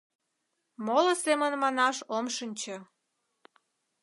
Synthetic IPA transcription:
molə̆semənmɑnɑʃomʃənʲt͡ɕə

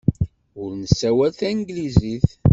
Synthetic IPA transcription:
ʊɾnəsːæwælθænɡliziθ

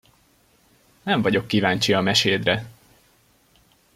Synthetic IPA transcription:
nɛɱvɒɟo̞kːivaːɲt͡ʃiɒmɛʃeːd̪rɛ

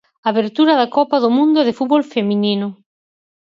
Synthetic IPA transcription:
aβeɾt̪uɾɐðakɔpaðomũnd̪oeðefut̪̚βolfemĩninʊ

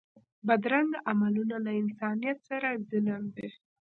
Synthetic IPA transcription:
bad̪ɾaŋɡamalunalaɪnsɑnijat̪saɾazɪnamd̪e

